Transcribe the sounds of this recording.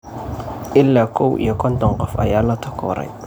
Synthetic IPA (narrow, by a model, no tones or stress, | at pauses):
ɪlːakowjekɔntɔŋɡɔfa̰jalatɔkɔ̰ɾa̰